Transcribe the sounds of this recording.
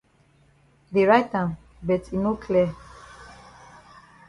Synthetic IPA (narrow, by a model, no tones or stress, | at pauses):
deɹajt̚ãm | bɛtinokʰlɛ